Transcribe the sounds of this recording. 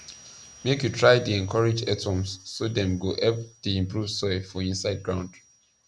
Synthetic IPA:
mekjutʰɹaɪdiɛ̃nkʰɔɹed͡ʒɛtʰɔ̃msːodɛ̃mɡoʔɛpdiĩmpɹuvsɔɪfɔĩnsaɪd̚ɡɹãʊ̃nd

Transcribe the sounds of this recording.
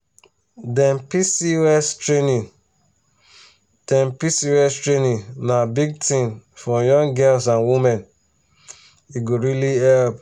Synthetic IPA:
dɛ̃npisiwɛstɹenĩ | d̥ɛ̃mpisiwɛstɹenĩnnabiɡ̚tĩnfɔjɔ̃ŋɡɛlsãnwimɛ̃n | iɡoɹiliɛlp

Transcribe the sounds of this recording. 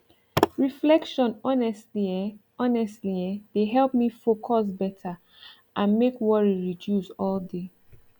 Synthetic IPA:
ɹiflɛkʃɔ̃nɔnɛstliɛ | ɔnɛstliɛd̥eɦɛlp̚mifokʰɔs̬bɛtʰa | ʔãnmekwɔɹiɹidjusɔlde

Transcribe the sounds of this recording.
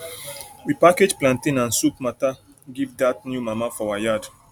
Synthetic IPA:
wipaked͡ʒplãntĩnãnsup̚mata | ɡivdat̚njumamafɔwajad

